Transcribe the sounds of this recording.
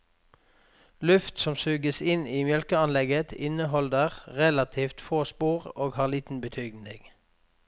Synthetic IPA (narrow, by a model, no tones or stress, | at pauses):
lʉft̪sɔmsʉːɡəsɪniːmjœlkəɑnlɛɡət̪ʰɪnəɦɔld̪əʁʁɛlɑt̪ʰiːft̪foːspuːʁoːɡhɑːʁliːt̪n̩bət̪ʰyːɡn̩d̪eːɡ̥